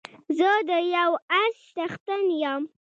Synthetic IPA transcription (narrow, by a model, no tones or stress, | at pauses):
zəd̪əjawaɾʃt̪axt̪ənjam